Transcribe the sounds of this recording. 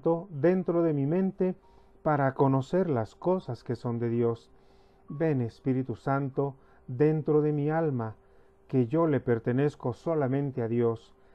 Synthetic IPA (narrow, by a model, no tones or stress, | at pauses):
t̪oðe̞nt̪ɾo̞ðe̞mimẽ̞nt̪e̞ | paɾako̞no̞se̞ɾlasko̞saske̞so̞nd̪eðjo̞s | be̞nespiɾit̪usant̪o̞ | ðe̞nt̪ɾo̞ðe̞mialma | keʝo̞le̞pe̞ɾt̪e̞ne̞sko̞so̞lamẽ̞nt̪eaðjo̞s